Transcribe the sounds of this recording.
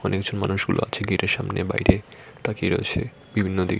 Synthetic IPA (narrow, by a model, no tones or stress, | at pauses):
ɔnekd͡ʑonmanuʃɡulo̰at͡ɕʰeɡiɾeɾʃamneba̰jɾe | t̪akeɾɔet͡ɕʰe | b̥ibʱinːod̪ḭ